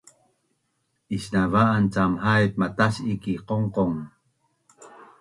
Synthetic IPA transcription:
ʔiɕnavaʔant͡samhajp̚mataɕikiqoŋqoŋ

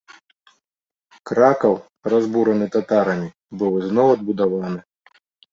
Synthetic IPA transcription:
kɾakɐw | razbuɾɐnɨt̪at̪aɾɐmʲi | bɨwɨznɔwɐd̪̚bud̪avanɨ

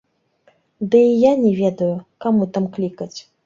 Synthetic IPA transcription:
d̪ɨijanʲɛvʲɛd̪ɐjukamut̪amklʲikɐt͡sʲ

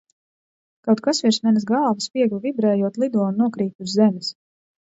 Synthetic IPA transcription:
kawt̪̚kasviɾsmɛnzɡɑlˠvaspiɛɡlˠvibɾɛːjuɔt̪lˠid̪uɔnunuɔkɾiːt̪ʲuzːɛmʲɪs

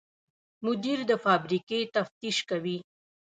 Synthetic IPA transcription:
mʊd̪iɾd̪əfɑbɾiket̪aft̪iʃkawi

